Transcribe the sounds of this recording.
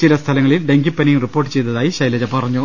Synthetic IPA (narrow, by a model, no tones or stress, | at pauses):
t͡ɕilɐst̪ʰɐlɐŋːɐɭilɖeŋɡipːɐniŋripːo̞ːrʈːɨ̥t͡ɕe̞jt̪ɐðaːjiɕɐjlɐd͡ʑɐpɐrɐɲːu